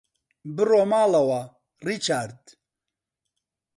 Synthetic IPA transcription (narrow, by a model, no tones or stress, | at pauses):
bɨromaːlɐwa | rit͡ʃʰaɾd̪